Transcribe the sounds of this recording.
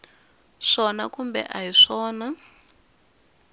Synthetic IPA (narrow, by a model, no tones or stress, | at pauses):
ʂɔnakumbɛ̰ʔajiʂɔːna